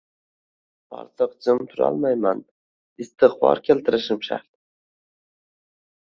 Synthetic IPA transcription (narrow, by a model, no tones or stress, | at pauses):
ɒ̰ɾt̪ʰɨq̚d͡ʒɪmt̪ʰʊɾɒ̰lˠmajman | ɪst̪ʰɨχbɒ̰ɾkʲʰe̞lt̪ʰɪɾɪʃɪmʃa̰ɾt̪̚